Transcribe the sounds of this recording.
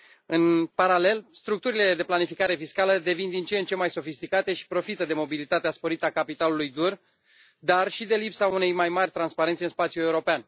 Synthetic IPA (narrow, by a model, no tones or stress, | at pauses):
ɨnpaɾale̞lst̪ɾuk̚t̪uɾile̞d̪e̞planifikaɾe̞fiskaləd̪e̞vind̪int͡ʃeent͡ʃe̞majso̞fist̪ikat̪e̞ʃi̥pɾo̞fit̪əd̪e̞mo̞bilit̪at̪easpo̞ɾit̪əakapit̪alulujd̪ur | d̪arʃid̪e̞lipsaune̞jmajmarʲt̪ɾanspaɾe̞nt̪sʲɨnspat̪sjue̞uɾo̞pean